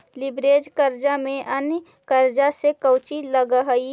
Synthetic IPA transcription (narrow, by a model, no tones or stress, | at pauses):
lɪbɾeːd͡ʒkəɾd͡ʒamẽʔənjə | kəɾd͡ʒasekəʊt͡ʃiləɡəɦəi